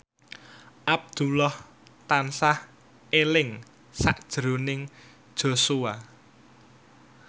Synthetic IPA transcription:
ʔab̚d̪̥ulɔh | t̪ansah | elɪŋ | sa̰ʔd̥ʒ̥ɾonɪŋ | d̥ʒ̥o̤sua

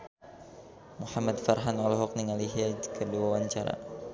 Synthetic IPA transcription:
muhamad̪farɦanɔlɔɦɔk̚niŋaliɦiad͡ʒkədiwawaɲt͡ʃaɾa̰

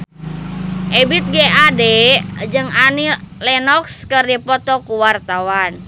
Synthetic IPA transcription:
ʔebit̪̚ɡɛadɛd͡ʒɨŋanilɛnɔkskərdipɔt̪ɔkuwart̪awan

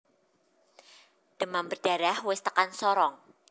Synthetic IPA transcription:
d̥əmambərd̥aɾahwɪst̪əkansɔɾɔŋ

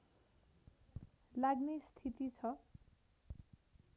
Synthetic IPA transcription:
laɡnest̪ʰit̪it͡sʰʌ

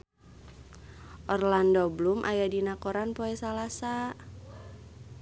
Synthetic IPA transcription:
ʔɔrlandɔblumʔa̰jadinakoɾanpoɛsalasa

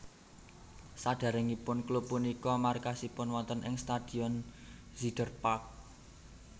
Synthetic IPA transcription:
saɖ̥a̤ɾɪŋipʊnklupːunikɔmarkasipʊnwɔnt̪ənʔɪŋst̪ad̪̥i̤ɔn | zid̥ərpak̚

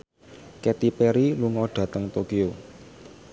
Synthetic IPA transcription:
ket̪ipeɾiluŋɔɖ̥ä̤t̪əŋt̪okio

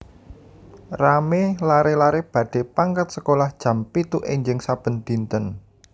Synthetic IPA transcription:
ramelaɾelaɾeb̥a̤ɖ̥e̤paŋkat̪̚səkolahd̥ʒ̥ä̤mpit̪uʔeɲd͡ʒɪŋsab̥ə̤nd̪̥i̤nt̪ən

